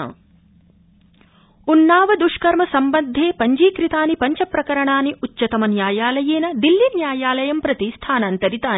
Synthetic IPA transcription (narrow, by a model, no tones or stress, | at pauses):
unːaːʋɐd̪uʂkɐɾmɐsɐmbɐnd̪ʱːeːpɐɲd͡ʒiːkɾit̪aːnipɐɲt͡ʃɐpɾɐkɐɾɐɳaːniʔutːʃɐt̪ɐmɐnjaːjaːlɐjeːnɐd̪ilːinjaːjaːlɐjɐmpɾɐt̪ist̪ʰaːnaːnt̪ɐɾit̪aːn